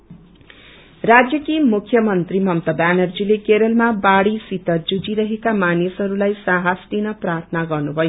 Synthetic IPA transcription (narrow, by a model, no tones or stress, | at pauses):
rad͡zjʌkimukʰjʌmʌnt̪rimʌmt̪ʌbanʌrd͡zilekeɾʌlmabaɽisit̪ʌd͡zud͡ziɾʌɦekamanisʌɾulajsaɦasʈinʌprart̪ʰnaɡʌrnubʱʌjo